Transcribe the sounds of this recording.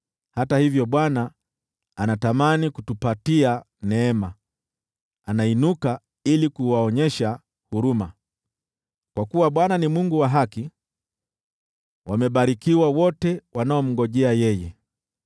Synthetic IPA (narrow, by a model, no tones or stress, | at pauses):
hatahivjɔɓwana | anatamanikutupatia | nɛɛma | anainuka | ilikuwaɔɲɛʃa | huɾuma | kwakuwaɓwananimuŋɡuwaɦaki | wamɛɓaɾikiwawɔtɛwʔanaɔm̩ɡɔʄɛajɛjɛ